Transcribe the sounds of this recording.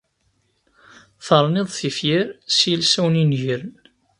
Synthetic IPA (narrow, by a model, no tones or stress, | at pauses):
θəɾˤneðˤθifjɪɾsilsæwninʝəɾn